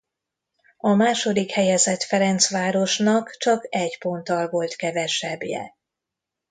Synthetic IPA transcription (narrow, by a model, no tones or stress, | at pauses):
ɒmaːʃo̞d̪ikhɛjɛzɛt̪fɛɾɛnt̪sʋaːɾo̞ʃnɒkt͡ʃɒkɛɟpo̞nt̪ɒlvo̞lt̪kɛvɛʃɛbjɛ̰